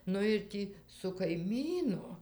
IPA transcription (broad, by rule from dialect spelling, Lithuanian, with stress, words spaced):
ˈnʊ ɪr ˈtʲiː sʊ kɐɪˈmʲiːnʊ